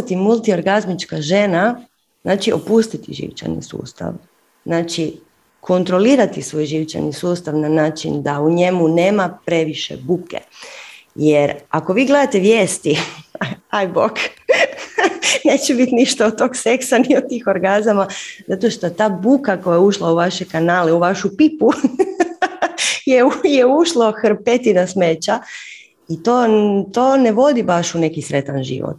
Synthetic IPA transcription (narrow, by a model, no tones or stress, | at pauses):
t̪imulˠt̪io̞ɾɡazmit͡ʃkaʒe̞na | znaːt͡ʃio̰pust̪it̪ḭʒḭʋt͡ʃa̰nḭsṵːst̪a̰ʋ | znaːt͡ʃi | kʰo̞nt̪ɾo̞liːɾat̪isʋo̞ːjʒiʋt͡ʃa̰nisuːst̪aʋnanaːt͡ʃind̪auɲe̞mune̞ːmapɾe̞ʋiʃḛbukḛ | jeɾako̞ʋiːɡle̞d̪at̪e̞ʋjeːst̪i | ajbok | ne̞ːt͡ɕebit̪niʃt̪aot̪ːoːɡseksaniot̪iːxoɾɡazamazat̪o̞ʃt̪o̞t̪aːbukakojajuʃlauʋaʃekanaːleuʋaʃupipu | jeujeuʃlˠoxɾpet̪inasmet͡ɕa | it̪oːt̪oːne̞ʋo̞d̪ibaʃune̞kisɾet̪anʒḭʋo̰t̪